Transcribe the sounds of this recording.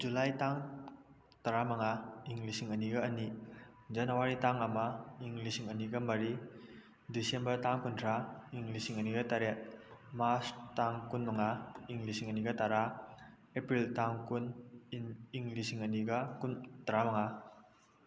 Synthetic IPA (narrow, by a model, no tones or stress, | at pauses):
d͡ʒulajtaŋ | taɾamaŋaiŋlisiŋəniɡaːni | d͡ʒɐnawaɾitaŋəmaiŋlisiŋəniɡamaɾi | disembəɾtaŋkuntʰɾaiŋlisiŋəniɡataɾet̚maɾt͡ʃtaŋkunmɐŋaiŋlisiŋəniɡataɾa | epɾiltaŋkun | iŋlisiŋɐniɡakuntaɾamaŋa